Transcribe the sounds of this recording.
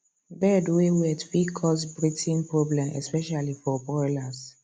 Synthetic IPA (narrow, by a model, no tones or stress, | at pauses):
bɛdwewɛtfikʰɔsbɹitʰĩnpɹɔblɛ̃mʔɛ̰spɛʃalifɔbɔjlas